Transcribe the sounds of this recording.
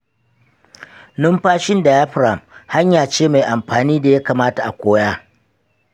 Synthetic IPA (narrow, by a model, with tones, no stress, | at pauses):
nʊ˦mɸaː˦ʃɪ˦nda˨ja˦ɸɾa˨mha˦ɲjaː˨t͡ʃeː˦ma˨jʔa˨mɸaː˨niː˦da˨ja˦kaː˨maː˦ta˨ʔa̰˨kʷoː˦jaː˦